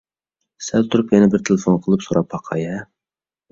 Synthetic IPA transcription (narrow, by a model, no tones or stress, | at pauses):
sɛlt̪ʰuɾupjɛnɛbɪɾt̪ʰelɨfonqʰəlˠɨpsoɾɑphɑqʰɑ̰jɛ